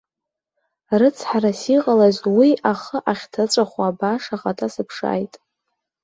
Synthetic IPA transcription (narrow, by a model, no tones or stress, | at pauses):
rɨt͡sʰħarasiqʼalazwiaχəʔaχʲtʰat͡ʃʷʼaχʷaːbaʂaχatʰʼasɨpʰʂa̰ːjtʼ